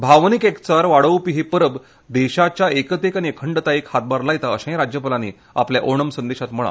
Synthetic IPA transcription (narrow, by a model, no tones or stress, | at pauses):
bʱaʋnikekt͡saɾʋaɽəʋpiɦipəɾəb | d̪eɕat͡ɕjaekət̪ekaniekʰəɳɖət̪aekhat̪̚baɾlajt̪aəɕẽj̃ɾad͡ʑjəpəlanḭ | a̰pljaʔoɳəmsə̃nd̪eɕat̪m̤əɭa̰